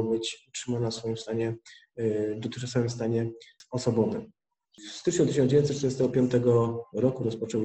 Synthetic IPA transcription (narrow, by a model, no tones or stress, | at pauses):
bɘt͡ɕutʂɘmanasfɔjimst̪aɲɛ | d̪ɔt̪ɪ̥asawimst̪aɲɛɔsɔbɔvɘ̰m | fst̪ɘt͡ʂɲut̪ɪɕɔnd͡ʑevjnt̪ɛtːt̪ɾjɛst̪ɛɡɔpʲjɔ̃nt̪ɛɡɔɾɔkuɾɔspɔt͡ʂɔw